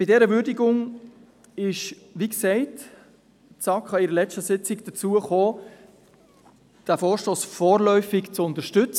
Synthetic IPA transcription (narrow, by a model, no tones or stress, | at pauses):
b̥ɪdɛːɾəʋʏɾdiɡʊŋ | ɪʃ | ʋiksɛɪt | t͡sɑkχɑɪɾəlɛt͡stəsɪt͡sɪɡd̥ət͡suəχoː | d̥æfoːɾʃtoːsfɔːɾlœʏfɪkt͡sʊnt̪əɾʃtʏt͡s